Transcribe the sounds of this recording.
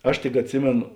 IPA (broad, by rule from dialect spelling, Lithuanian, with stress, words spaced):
ˈɐʃ tʲɪk ɐtʲˈsʲɪmʲeːnoː